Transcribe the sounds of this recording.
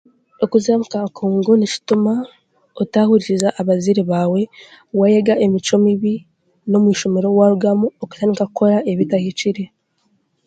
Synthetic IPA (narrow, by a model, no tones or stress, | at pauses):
okuzaːmukakʰoːŋɡonit͡ʃi̥tuma | otahuɾiɾizaʔːβaziɾiβaːwe̞ | wajeɡaʔemit͡ʃo̞miβi | no̞mwiːʃo̞me̞ɾo̞waɾuɡamuoku̥taːndikakuko̞ɾaʔe̞βitahit͡ʃiɾe̞